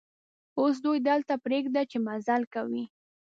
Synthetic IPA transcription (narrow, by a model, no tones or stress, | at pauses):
os̬d̪ujd̪əlt̪apɾeɡd̪at͡ʃemazalkawi